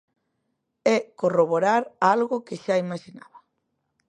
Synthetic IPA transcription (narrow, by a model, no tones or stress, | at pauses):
ɛkoroβoɾaɾalɣʊkeʃaimaʃina̰βa